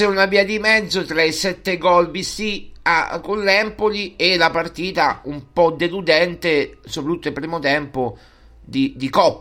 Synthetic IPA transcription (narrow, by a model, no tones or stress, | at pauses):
ɪunaviːad̪imɛd̪zːot̪ɾaisɛt̪ːeɡɔlbist̪ia̰kːolːɛmpolielapart̪iːt̪aumpɔd̪elud̪ɛnt̪esopɾat̪ːut̪ːoilpɾiːmot̪ɛmpo | d̪id̪ikɔpː